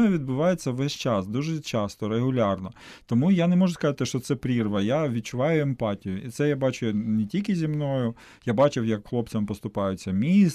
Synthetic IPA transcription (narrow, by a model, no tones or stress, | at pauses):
ɛʋʲid̪̚bʊʋɑjet͡sʲːɐʋɛsʲt͡ʃɑsd̪uʒɛt͡ʃɑst̪ɔɾeɦʊlʲɑrnɔt̪ɔmujanɛmɔʒʊskɐzɑt̪ɪʃt͡ʃɔt̪sɛpɾʲirʋɐjaʋʲid̪̚t͡ʃʊʋɑjʊempɑtʲijʊit̪sɛjabɑt͡ʃʊnetʲilʲkʲɪzʲimnɔjʊ | jabɑt͡ʃɪwjɐkxlˠɔp̚t͡sʲɐmpɔst̪ʊpɑjʊt͡sʲːɐmʲis